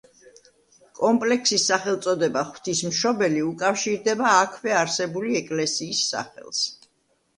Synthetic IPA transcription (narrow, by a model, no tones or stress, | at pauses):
kʼɔmpʼlɛksisːaχɛlˠt̪sʼɔd̪ɛbaχw̥t̪ʰismʃɔbɛliukʼafʃiɾd̪ɛbaːkʰvɛaɾsɛbuliɛkʼlɛsiːsːa̰χɛ̰lˠs